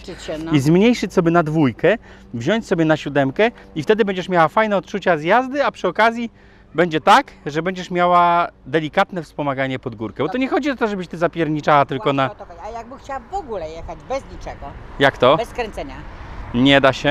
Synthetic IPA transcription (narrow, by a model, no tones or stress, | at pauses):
t͡ɕɕɛizmɲejʂɘt͡ɕʲsɔbʲjɛnad̪vujkɛ | vʑɔɲt͡ɕʲsɔbʲjɛnaɕud̪ɛmkɛift̪ɛd̪ɘbɛɲd͡ʑɛʂmʲjawafajnɛɔt̪t͡ʂut͡ɕazjazd̪ɘapʂɘɔkazʲji | bɛɲd͡ʑɛt̪akʐɛbɛɲd͡ʑɛʂmʲjawad̪ɛlʲikat̪nɛfspɔmaɡaɲɛpɔd̪ɡuɾkɛbɔt̪ɔɲɛxɔd͡ʑiɔt̪ɔʐɛbɘɕt̪ɘzapʲjɛɾɲit͡ʂawat̪ɘlkɔnajaɡ̚bɨxt͡ɕawvɔɡulɛjɛxad͡ʑbɛzɲit͡ʂɛɡɔjakt̪ɔbɛskɾɛnt̪sɛɲaɲɛd̪aɕɛ